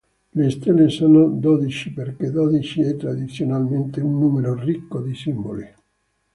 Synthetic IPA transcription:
lest̪elːesoːnod̪ɔd̪it͡ʃiperked̪ɔd̪it͡ʃiɛt̪ːɾad̪it̪sːjonalment̪eunːumeɾorikːod̪isimboli

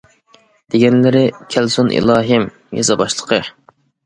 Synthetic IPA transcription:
d̪̥eɡʲɛnlɪɾɪkʲʰælsunʔḭlˠɑːɦɨm | jɑ̰zɨbɑʃlˠə̥qʰə

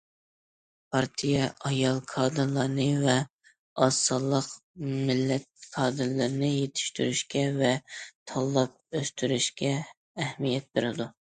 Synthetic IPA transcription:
pʰɑɾt̪ʰijɛʔɑjɑlˠqʰɑːd̪ɨɾlˠɑɾnɨvɛ | ɑsːɑlˠːəqmɪlːɛt̪̚qʰɑːd̪ɨɾlɨɾnɨjet̪ʰɪ̥ʃt̪y̰ɾyʃkʲɛvɛt̪ʰɑlˠːɑp̚øst̪ʰyɾyʃkʲɛː | hmijɛt̪̚beɾɪd̪u

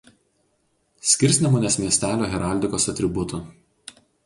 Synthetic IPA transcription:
sʲkʲɪɾʲˑsʲnʲɛmoːnʲeːsʲmʲiɛsʲt̪ʲæːlʲoːɣʲɛɾɑˑlʲd̪ʲɪkoːsɐt̪ʲɾʲɪbʊt̪uˑ

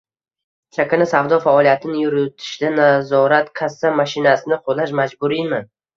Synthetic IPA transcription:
ʃʰakʲanasavd̪ɒfaːlˠijat̪ʰɪnɪjʊɾʊt̪ʰɪ̥ʃlɪnazɒɾat̪kʰasːamaʃɪnasɪnɪqʰolaʃ̬mad͡ʒbʊɾimɪ

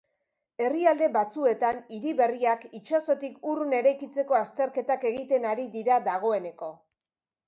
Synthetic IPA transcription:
e̞riald̪e̞βat͡sue̞t̪aniɾiβe̞riakit͡ʃaso̞t̪ikurune̞ɾajkit͡se̞ko̞ast̪e̞ɾke̞t̪ake̞ɣ̞it̪e̞naɾiðiɾad̪aɣ̞o̞e̞ne̞ko̞

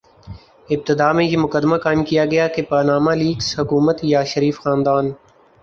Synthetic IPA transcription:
ɪb̚t̪ɪd̪aːmẽjemʊkəd̪makaːɪmkijaɡɐjakepaːnaːmaliːkshʊkuːmət̪jaʃɐɾiːfxãːnd̪aːn

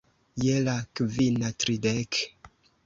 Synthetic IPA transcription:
jelakvinatɾidek

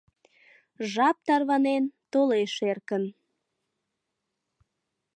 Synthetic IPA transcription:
ʒɑp̚t̪ɑrβɑnent̪oleʃerkən

